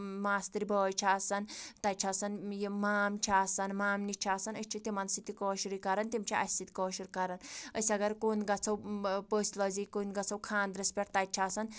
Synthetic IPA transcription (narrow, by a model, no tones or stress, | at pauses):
maːst̪iɾibɔːjt͡ʃʰaːsɐnt̪ɐt͡ʃʰasɐnjimaːmt͡ʃʰaːsɐnmaːmnit͡ʃʰaːsɐnət͡ʃʰit̪imɐnsit̪ikɔːʃiɾikɐɾɐnt̪imt͡ʃʰiʔɐ̰sit̪i̥kɔːʃiɾikɐɾɐnəsiɐɡɐɾkoːnɡɐt͡sʰɐwpəːsʲlɐːzikunɡɐt͡sʰɐwkʰaːnd̪ɾɐspʲɐɾt̪at͡ʃʰaːsɐn